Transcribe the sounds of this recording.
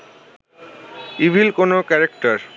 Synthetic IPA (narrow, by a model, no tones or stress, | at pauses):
ibʱilkonokɛɾekʈaɾ